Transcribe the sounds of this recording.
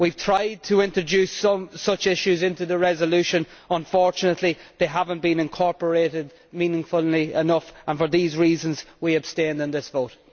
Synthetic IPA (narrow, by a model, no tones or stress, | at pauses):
wiv̥tʰɹ̥aɪd̚tʰəɪ̃ntɹ̥əd͡ʒʉsʌ̃msʌt͡ʃɪʃʉzɪ̃ntʉðəɹɛzəlʉʃə̃n | ə̃ɱfɔɹt͡ʃənətʰˡliðeɪɦavə̃nb̥ĩnɪ̃nkʰɔɹpə˞eːɾɪd̚ | mĩnɪ̃ŋfəlˠiɪnʌfə̃nfə˞ðiːzɹiːzə̃nzwiəb̥stẽndɪ̃nðɪsvoʊt